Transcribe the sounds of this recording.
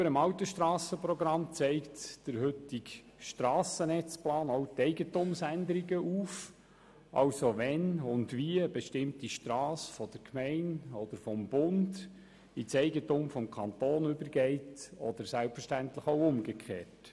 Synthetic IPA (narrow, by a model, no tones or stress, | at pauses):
ybəɾəmɑwtəʃtɾɑːsəpɾɔɡɾɑmt͡sɛɪktd̥əɾɦʏtik | ʃtɾɑːsənɛt͡splɑːnoʊtɛɪɡətʊmsænd̪əɾiɡəʔuːf | ʔɑ̰wsoʋɛnʊndʋiəəbeʃtɪmtiʃtɾɑːsfɔd̪̥əɾkʰmɛɪnɔd̥̪əɾfɔmbʊnd | it͡sɛɪɡətʊmfɔmkʰɑnt̪oːnʏbəɾɡɛɪtɔ̰d̥̪əɾsælpfəʃtæntləχɔʊʊmɡəkʰχḛːt